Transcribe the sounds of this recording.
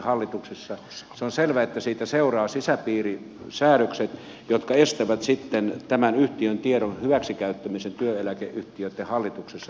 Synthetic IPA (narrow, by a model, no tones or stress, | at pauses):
hɑlːit̪uksesːɑ | seonselʋæet̪ːæsiːt̪æseurɑːsisæpiːri | sæːɾøkset̪ | jot̪kɑest̪æʋæt̪sit̪ːent̪æmænyht̪iønt̪ieɾonhyʋæksikæyt̪ːæmisent̪yøelækḛʔʔyht̪iøt̪ːehɑlːit̪uksesːɑ